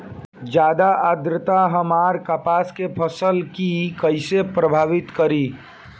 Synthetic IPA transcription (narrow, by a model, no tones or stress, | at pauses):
d͡ʒjad̪aʔəd̪ɾət̪aɦəmaɾkapaskepʰəsəlkikəɪsepɾəbʱaːʋit̪kəɾi